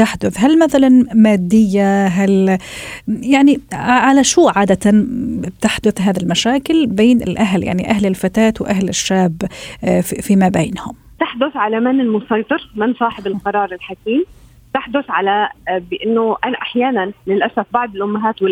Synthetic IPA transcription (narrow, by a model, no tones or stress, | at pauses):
t̪aħd̪ʊθɦalmaθalanmaːd̪ːɪjːaɦal | jaʕniʕalaʃuːʕaːd̪at̪an̚t̪aħd̪ʊθɦaːðalmaʃaːkɪlbeːnɪ̰lʔaɦlja̰ʕniʔahlɪlfat̪aːt̪wʔaɦlɪʃːaːbffimabeːnhʊmt̪aħd̪ʊθʕalamɪnɪlmʊsˤɑjt̪ˤɨɾmɪnsˤɑːħɪbɪlqɑɾˤɑːɾˤɪlħakiːm | t̪aħd̪ʊθʕalabɪʔɪnːʊʔanaʔaħjaːnanlɪlʔasafbɑʕd̪ˤɪlʔʊmːaɦaːt̪wɪ